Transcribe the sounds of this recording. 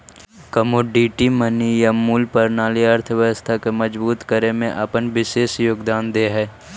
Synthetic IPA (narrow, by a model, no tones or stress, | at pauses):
kəmoːɖiːʈimənijamuːlpəɾnaːliəɾt̪ʰəʋjəwəst̪ʰakemɐd͡ʒbuːt̪kəɾemẽʔɐpənʋɪʃeːʃjoːɡd̪aːnd̪eːɦɛː